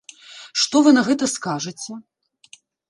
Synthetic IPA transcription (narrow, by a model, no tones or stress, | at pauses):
ʂt̪ɔvɨnɐɣɛt̪ɐskaʐɐt͡sʲɛ